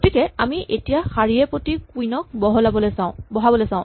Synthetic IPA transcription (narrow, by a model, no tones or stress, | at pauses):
ɡotikɛamiʔetijaxaɹiɛpotikujnɔk̚bɔɦɔlabɔlɛsaʊ̃bɔɦabɔlɛsãʊ̃